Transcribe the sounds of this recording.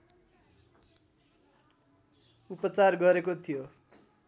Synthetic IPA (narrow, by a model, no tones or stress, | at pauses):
upʌt͡sarɡʌɾekot̪ʰijo